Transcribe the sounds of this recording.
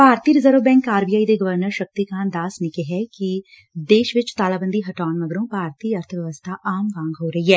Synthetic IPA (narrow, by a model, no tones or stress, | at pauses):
paːɾt̪iːɾɪzəːɾəbɛ̃ːŋkaːɾbijaːid̪eɡɐʋəɾnəɾʃɐk̚t̪ikãːnd̪aːsnɪkeɦɛki | d̪eːʃʋɪt͡ʃt̪aːlaːbə̃nd̪iɦɐʈaːnmɐɡɾõːpaːɾt̪iːɐɾt̪ʰəʋjɛʋəst̪ʰaʔaːmʋãːŋɡɦoːɾɐɦiɦɛː